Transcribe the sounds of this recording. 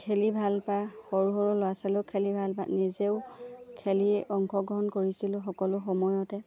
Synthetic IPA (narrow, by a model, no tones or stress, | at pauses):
kʰelibʱalpaxɔɹuɦɔɹulowasalʊkʰelibʱalpa̰nizeʊkʰeliɔŋkʰɔɡɹɔɦɔnkoɹisilʊxɔkɔlʊxɔmɔjɔtɛ